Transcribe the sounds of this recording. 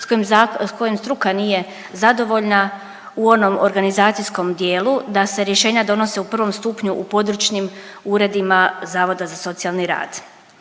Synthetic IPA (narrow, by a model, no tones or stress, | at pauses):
mko̞jemst̪ɾukaniːje̞ | zad̪o̞ʋo̞ʎna | uo̞no̞moɾɡanizaːt̪sijsko̞md̪je̞ːlˠud̪ase̞ɾje̞ʃe̞ːɲad̪o̞no̞se̞upr̩ʋo̞mst̪uːpɲuʔupo̞d̪ɾut͡ʃnimuːɾe̞d̪imazaːʋo̞d̪azaso̞t̪sialˠniɾa̰ːd̪̥